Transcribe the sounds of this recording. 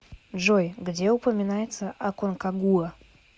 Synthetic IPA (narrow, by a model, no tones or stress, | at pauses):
dʐojɡdʲeʊpəmʲɪnajɪt̪səʔɐkonkaɡuə